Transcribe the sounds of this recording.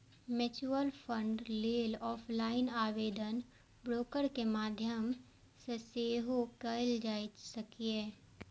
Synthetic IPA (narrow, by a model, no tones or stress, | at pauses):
met͡ʃuəlpʰə̃ɳɖleːlɔːpʰlaːɪnaːʋeːd̪ən | bɾoːkəɾkemaːd̪ʱjəm | seseːɦokɐld͡ʒaːisəkieː